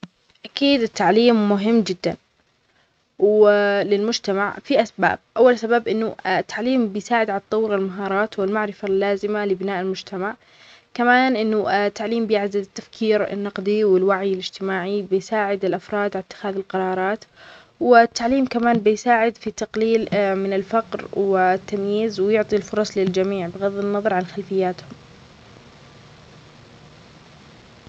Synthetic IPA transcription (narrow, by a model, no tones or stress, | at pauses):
ʔakiːd̪ɪt̪ːaʕliːmːʊɦɪmːd͡ʒɪd̪ːan | wlɪlmʊd͡ʒt̪amaʕfiʔasba̰ːb̚ʔawːalsabaːbʔɪnːʊt̪ːaʕliːmbɪjsaːʕɪd̪ʕalɑt̪ˤːɑwːɾɪlmaɦɑːɾˤɑːt̪wɪlmaʕɾɪfalːaːzɪmalɪbɪnaːʔɪlmʊd͡ʒt̪ʰamaʕ | kamaːnʔɪnːʊt̪ːaʕliːmbjɪʕd̪ad̪ɪt̪ːafkʰiːɾɪ̰nːɑqd̪ˤiwɪlwaʕjɪlɪd͡ʒt̪ɪmaːʕibɪjsaːʕɪd̪ɪlʔafɾˤɑːd̪ʕaat̪ːɪ̥xaːðɪlqɑɾˤɑːɾˤɑːt̪ | wɪt̪ːaʕliːmkamaːnbɪjsaːʕɪd̪fit̪ːɑqliːlmɪnɪlfaqɾwɪt̪ːamjiːzwɪjʊʕt̪ˤilfʊɾˤɑsˤlɪld͡ʒamiːʕbɪɣaðːɪnːɑðˤɑɾˤʕanxalfɪjːaːt̪hʊm